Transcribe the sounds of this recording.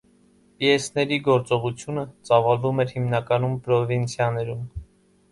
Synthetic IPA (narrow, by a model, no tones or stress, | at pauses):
piɛsnɛɾiɡɔɾt͡sɔʁut͡sʰjunət͡sɑvɑlvumɛɾhimnɑkɑnumpɾɔvint͡sʰjɑnɛɾum